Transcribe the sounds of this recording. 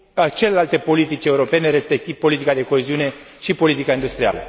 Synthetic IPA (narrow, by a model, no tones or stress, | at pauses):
at͡ʃe̞le̞lalt̪e̞po̞lit̪it͡ʃe̞uɾo̞pe̞ne̞ɾe̞spe̞k̚t̪iv̥po̞lit̪ikad̪e̞ko̞eziune̞ | ʃipo̞lit̪ikaind̪ust̪ɾia̰lə̰